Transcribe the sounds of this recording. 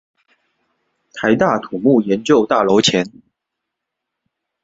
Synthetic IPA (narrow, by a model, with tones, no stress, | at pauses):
t̪ʰa˧˥ɪt̪a˥˨t̪ʰu˨˩mu˥˩jɛ˨˦nt͡ɕjo˥˧ʊt̪a˥˩lo˧˥ʊt͡ɕʰjɛ˨˧˦n